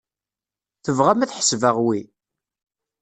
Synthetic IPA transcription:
θəvʁæmæθħə̥svəʁwi

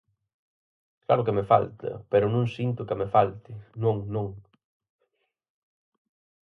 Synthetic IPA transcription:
kla̰ɾʊkemefa̰lt̪ɐ̰peɾʊnõŋsint̪ʊkamefalt̪ɪnõŋnõŋ

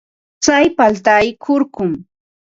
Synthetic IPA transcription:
t͡sajpalt̪ajkʰʊɾkʊm

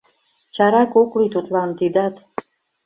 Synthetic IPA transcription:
t͡ɕɑɾɑkoklit̪ut̪lɑnt̪id̪ɑt̪

